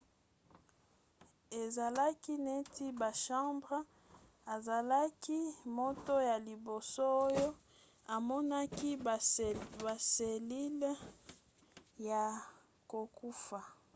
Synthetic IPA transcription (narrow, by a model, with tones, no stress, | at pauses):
e˨za˨la˦ki˦ne˦tʰi˦ba˨ʃɑ̃˦mbʁ | a˨za˨la˦ki˦mo˦to˦ja˨li˨bo˨so˦o˦jo˦ | a˨mɔ˦na˦ki˦ | ba˨se˨li˦l | ja˨ | ko˨ku˦fa˨